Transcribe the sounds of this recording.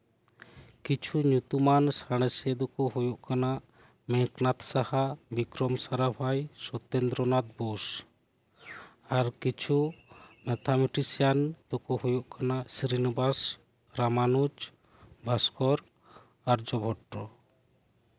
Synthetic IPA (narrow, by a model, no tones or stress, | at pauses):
kit͡ʃʰuɲut̪umansaɽ̃ɛsɛd̪ɔkɔɦujuʔkanaʔ | mɛknat̪sahabikɾɔmsaɾabʱajsɔt̪end̪ɾɔnat̪̚bɔs | aɾkit͡ʃʰumɛt̪ʰamiʈisijand̪̥ɔkɔhujuʔkanaʔsɾinɔbas | ɾamanud͡ʒ | bʱaskɔɾ | aɾd͡ʒɔbʱɔʈɾɔ